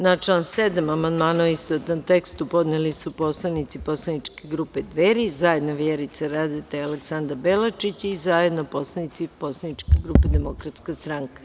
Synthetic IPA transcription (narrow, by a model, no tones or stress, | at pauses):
nat͡ʃlaːnsed̪amamand̪maːnoist̪ot̪ant̪ekst̪upo̞d̪nelisupo̞slˠanit̪sipo̞slˠanit͡ʃkeɡɾuːped̪ʋeːɾizaje̞d̪noʋjeɾit̪saɾaːd̪et̪aaleksand̪abelat͡ʃit͡ɕizajed̪nopo̞slˠanit̪siposlˠanit͡ʃkeɡɾuped̪emokɾat̪skast̪ɾaŋkḁ